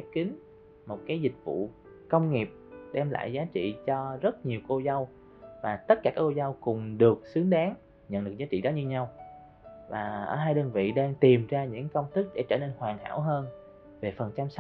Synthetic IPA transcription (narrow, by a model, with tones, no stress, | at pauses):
ɛ˦˥p̚kï˨˦ŋ̟ | mo˨˩t̚kaː˨˦jzï˨˩k̟̚vṵ˧˨ | kə˧wŋ͡mŋi˨˩əp̚ɗɛ˧mla̰ː˧˨jzaː˨˦t͡ɕḭ˧˨t͡ɕɔ˧zə˦˥t̚ɲi˨˩əwko˧zə˧w | vaː˨˩t̪ə˦˥t̚kaː˧˩kaː˦˥ko˧zə˧wkʊ˨˩ŋ͡mɗɨ˨˩ək̚sɨ˨˦əŋɗaː˨˦ŋ | ɲə̰˧˨nɗɨ˨˩ək̚zaː˨˦t͡ɕḭ˧˨ɗɔ˨˦ɲɨ˧ɲa˧w | vaː˨˩ʔəː˧˩ɦaː˧jɗəː˧nvḭ˧˨ɗaː˧ŋt̪i˨˩mzaː˧ɲɨ̰˧˥ŋkə˧wŋ͡mt̪ɨ˦˥k̚ɗḛ˧˥t͡ɕəː˧˩ne˧nhwaː˨˩ŋha̰ː˧˥wɦəː˧n | ve˨˩fə˨˩nt͡ɕa˧msa˦